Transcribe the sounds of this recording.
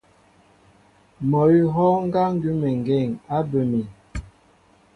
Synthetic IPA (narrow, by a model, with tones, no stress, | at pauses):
mɔ˨i˦ɦɔ˦ŋ˦ɡa˦ŋ˦ɡʉ˦mɛ˨ŋ˨ɡɛ˦˨ŋa˦bə˨mi˨